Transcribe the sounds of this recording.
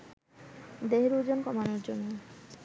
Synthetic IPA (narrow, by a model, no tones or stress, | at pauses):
d̪eɦeɾud͡ʑonkɔmanoɾd͡ʑonːe